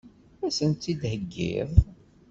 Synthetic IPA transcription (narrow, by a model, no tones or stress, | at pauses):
æsənt̪ːid̪həɡːḭðˤ